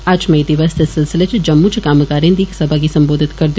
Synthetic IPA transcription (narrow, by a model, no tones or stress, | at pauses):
aːd͡ʒmẽd̪ɪʋəsd̪esɪlsɪlet͡ʃd͡ʒɐmːut͡ʃʰkaːməkaːɾĩnd̪iːksɐbʱakisɐ̃mboːd̪ʱɪt̪kɐɾd̪